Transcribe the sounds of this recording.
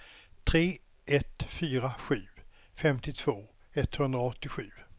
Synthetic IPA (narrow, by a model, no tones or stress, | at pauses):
t̪ʰɾeː | ʔɛt̪fyːɾaɧʉ̟ː | fɛmt̪ɪt̪ʰv̥oː | ɛt̪ːhɵnd̪ɾaɔt̪ːɪɧʉ̟ː